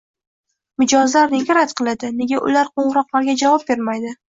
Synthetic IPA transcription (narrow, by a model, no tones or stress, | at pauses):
mɪd͡ʒɒzlaɾne̞ɡʲaɾat̪qʰɨlˠad̪ɪne̞ɡʲaʔʊ̰laɾqʰoɴɨɾɒqlˠaɾɡʲad͡ʒavɒp̚be̞ɾmajd̪ɪ